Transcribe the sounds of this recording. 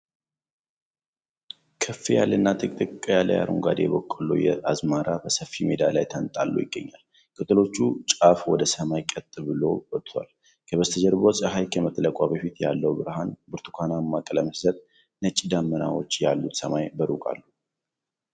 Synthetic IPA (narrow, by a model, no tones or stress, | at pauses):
kʰəfːejalːɨnːat̪ʼɨkʼt̪ʼɨkʼːjalːə̰ja̰ɾʔṵŋɡa̰d̪ejɛbokʼːəlṵjɛazmaɾʔabəsəfimed̪alajt̪ʰənt̪ʼalːṵjɪɡːəɲːal | kʰɨt̪ʼɨlo̞t͡ʃːut͡ʃʼafwɔd̪əsəmajkʼət̪ʼːɨbɨlo̞̰wɔt̪ʼːʰa̰l | kʰəβəst̪ʰəd͡ʒəɾbosʼaɦajkʰəmət̪ʼːələkʼaβəfit̪ja̰lːəwbɨɾɦanbɨɾt̪ʰu̥kʰanamːakʼələmɨszət̪ | nət͡ʃʼːid̪amːəna̰wo̞̰t͡ʃːjalːut̪səmajbəɾukʼa̰lːu